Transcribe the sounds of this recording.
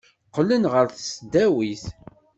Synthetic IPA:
qːlːənʁəɾθəsd̪æwiθ

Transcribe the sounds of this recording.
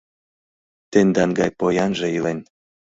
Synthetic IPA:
t̪end̪ɑnɡɑjpojɑnʒĕilen

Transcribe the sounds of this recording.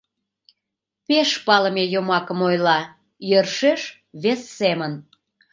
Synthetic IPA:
peʃpɑləmejomɑkəmojlɑ | jərʃeʃ | βesːemən

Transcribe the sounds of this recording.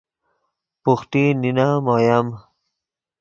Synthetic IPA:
puxt̪ininamajam

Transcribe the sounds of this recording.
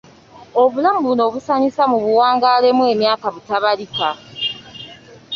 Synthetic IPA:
o̞βulamubuno̞ːβusaɲisamuβuwaːŋɡaːle̞mwe̞ːmjaːkaβutaβalika

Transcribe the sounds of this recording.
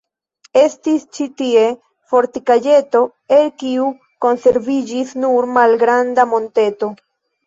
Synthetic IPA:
e̞stist͡ʃitie̞ | fo̞ɾtikad͡ʒe̞to̞ | e̞lkiu | ko̞nse̞ɾvid͡ʒisnuɾmalɡɾandamo̞nte̞to̞

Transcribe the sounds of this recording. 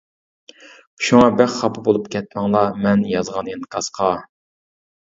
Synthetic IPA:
u̥ʃuŋɑbæχχɑpʰɨbolˠupkʲɛt̪̚mɛŋlˠɑmɛnjɑzʁɑnenkʰɑsqʰɑ

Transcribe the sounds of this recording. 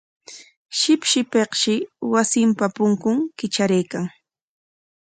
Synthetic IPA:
ʃɪpʃɪpeqʃɪwasɪmpapʊŋkʊŋkɪt͡ʃaɾajkaŋ

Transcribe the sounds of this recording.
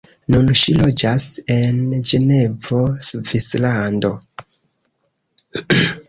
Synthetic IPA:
nunʃilo̞d͡ʒase̞nd͡ʒe̞ne̞vo̞svislando̞

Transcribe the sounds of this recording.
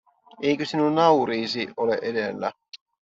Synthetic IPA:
ejkøsinunːɑuɾiːsioleʔedelːæ̰

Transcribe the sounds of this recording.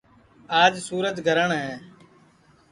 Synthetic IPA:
aːd͡ʒsuːɾət̪ɡʱəɾəɳɦɛ̃ː

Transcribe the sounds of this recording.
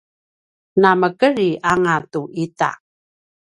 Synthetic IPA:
naməkəɾiʔaŋatuʔita̰

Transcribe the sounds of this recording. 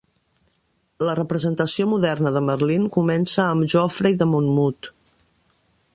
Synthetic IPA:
lərəpɾəzənt̪əsiomuðɛrnəðəmərliŋkumɛnsəːmʒɔfɾəiðəmunmut̪

